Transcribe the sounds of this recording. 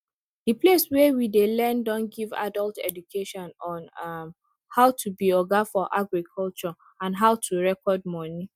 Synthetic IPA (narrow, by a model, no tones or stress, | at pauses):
dipleswɛwidelɛndɔ̃nɡiva̰dɔltɛ̰dukʰeʃɔ̃nɔ̃nm | haʊtʰubiɔɡafɔʔaɡɹikʰɔlt͡ʃɔ | ãnɦaʊtʰuɹɛkɔd̚mɔni